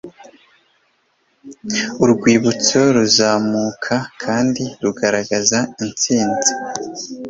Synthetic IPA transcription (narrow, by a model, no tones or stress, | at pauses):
uɾɡwiːβut͡so̞ɾuzaːmukʰakʰaːndiɾuɡaɾaɡazaint͡siːnzi